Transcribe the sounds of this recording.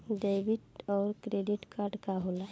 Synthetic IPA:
ɖejʋiʈɔːɾkɾeɖiʈkaɾɖkaɦola

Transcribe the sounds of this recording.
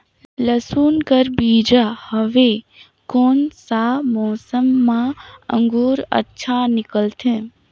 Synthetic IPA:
ləsuːnkəɾbiːd͡ʒahəʋe | konsamɔːsəmːãə̰̃ŋɡuːɾə̰tːʃʰanɪkəlt̪ʰẽ

